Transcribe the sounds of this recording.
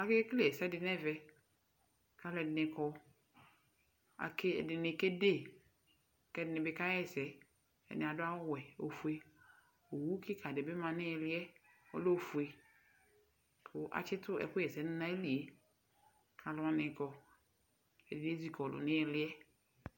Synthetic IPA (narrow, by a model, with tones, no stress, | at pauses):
a˨ke˦kle˦˨ɛ˨sɛ˦dɪ˨nɛ˦vɛ˨ | ka˨˦lɛ˨dɪ˨nɪ̃˨kɔ˦ | a̰˨kɪ˦ɛ̰˨dɪ˨nɪ˨ke˦de˦˨ | kɛ˦˨dɪ˨nɪ˨bɪ˦ka˦jɛ˨sɛ˨ | ɛ̰˨nɪ˨a˨dʊ˦a˦wɛ˨o̰˨fu˦e˦ | o˨wu˦kɪ˦kʰa˨dɪ˨bɪ˦mã˨nɪ˦ɛ˨lɪ˦ɛ˦ɔ̰˦lo˦˨fu˨e˨ | kʰʊ˨ʔa̰˨t͡ʃɪ˦tʊ˦ɛ̰˨kʊ˦ɛ˨sɛ˨˦nɪ˦nã˦e˦li˨e˨ | kʰa˨lʊ˨˦ã˨nɪ̃˨kɔ˨ | ɛ˨dɪ˨ne˦zi˦kɔ˨lʊ̰˨nɪ̃˦ɛ˨lɪ˦ɛ˦